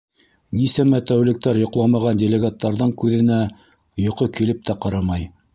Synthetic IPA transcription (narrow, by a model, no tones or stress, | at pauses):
nisæmæt̪æwlɘ̆k̚t̪æɾjŏqlˠɑmɑʁɑndʲelʲeɡɑt̪ːɑɾðɤɴkʉðɘ̆næ | jŏqokilɘp̚t̪ʰæqɑɾɑmɑj